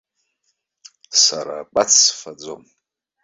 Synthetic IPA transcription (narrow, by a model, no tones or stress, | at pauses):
saɾak͡pʼat͡sʰsfad͡zom